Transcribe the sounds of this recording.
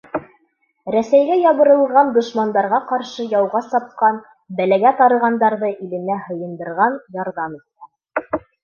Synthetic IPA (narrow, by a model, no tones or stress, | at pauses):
ɾæsæjɡæjɑβɤ̆ɾɤ̆lˠʁɑnd̪ŏʃmɑnd̪ɑɾʁɑqɑɾʃɤjɑwʁɑsɑp̚qɑn | bælæɡæt̪ɑɾɤ̆ʁɑnd̪ɑɾðɤʔilɘ̆næhɤ̆jɤ̆nd̪ɤ̆ɾʁɑnjɑɾðɑmit̪ːæ